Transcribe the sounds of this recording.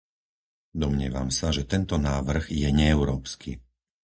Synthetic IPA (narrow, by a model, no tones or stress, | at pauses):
d̪ɔmɲɪɛ̰ʋa̰msaʒɛt̪ɛnt̪ɔnaːʋr̩ɣjɛɲɛːʊɾɔːpskʰḭ